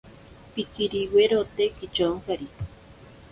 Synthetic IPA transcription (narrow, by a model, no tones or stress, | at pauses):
pikiɾiweɾot̪ekit͡ʃoŋkaɾi